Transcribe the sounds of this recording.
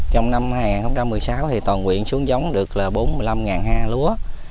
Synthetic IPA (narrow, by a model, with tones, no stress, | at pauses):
t͡ɕɔ˧wŋ͡mna˧mhaː˧jŋaː˨˩nxə˧wŋ͡mt͡ɕa˧mːɨ˨˩əjsaː˨˦wt̪ʰi˨˩t̪wɔː˨˩nkwḭ˧˨ənsu˨˦əŋza˨˦wŋ͡mɗɨ˨˩ək̚laː˨˩ɓo˨˦nmɨ˨˩əjla˧mŋaː˨˩nhaː˧lu˨˦ə